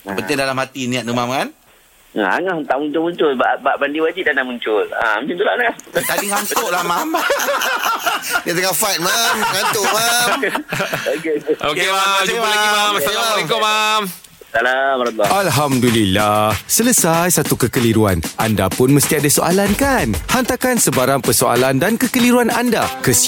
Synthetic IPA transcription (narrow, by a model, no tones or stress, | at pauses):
bənɪndalamhat̪inĩaʔnumamkan̰ | a̰ŋahənt̪aʔmuɲt͡ʃʊlmuɲt͡ʃʊlbabaʔbandiwad͡ʒit̪̚danamuɲt͡ʃʊla̰mũt͡ʃunt̪ulaʔnat̪adiŋaŋsʊʔlahmam | diat̪əŋafat̪̚mamŋanʊʔmam | okeokead͡ʒualaɡimamssalamalekʊmam | salamɾt̪lɔalɦamdulilahsələsajsat̪ukəkəliɾua̰na̰nda̰pʊnməst̪iadasoʔa̰lankanhant̪akansəbaɾaŋpərsoa̰landankəkəliɾuananda̰kəs